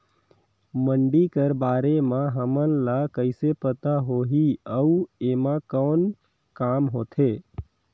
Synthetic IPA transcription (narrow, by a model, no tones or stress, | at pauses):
məɳɖikəɾbaːɾemãɦəmənlakəɪsepət̪aɦoɦiəuemãkəːn | kamɦoːt̪ʰe